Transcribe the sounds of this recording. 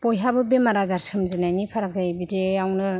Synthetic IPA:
pojɦabɯbemaɾazaɾsɯmzinajnipʰaɾak̚zajbidejawnɯ

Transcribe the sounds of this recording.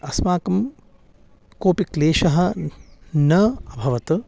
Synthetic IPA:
ɐsmaːkɐm | koːpikleːʃɐɦɐ̆ | nɐɐbʱɐʋɐt̪ɨ

